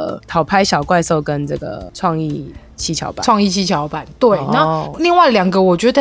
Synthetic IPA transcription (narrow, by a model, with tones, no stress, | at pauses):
t̪ʰɑ˨˩ʊpʰa˥ɪɕjɑ˨˩ʊkwa˥˧ɪso˥˩ʊkə˦nt͡sɤ˥˩ɡə̰˩ʈ͡ʂʰwɑ˥˧ŋi˥˨ | t͡ɕʰi˥t͡ɕʰjɑ̰˧˥ʊpa̰˨wɑ˥˧ŋi˥˧t͡ɕʰi˥t͡ɕʰjɑ˧˥ʊpa˨˩˦nt̪we˥˩ɪna˥˧li˥˧ŋwa˥˩ɪljɑ˨˩ŋɡə˨wɔ˨˩t͡ɕɥɛ˧˥d̪ə˥˧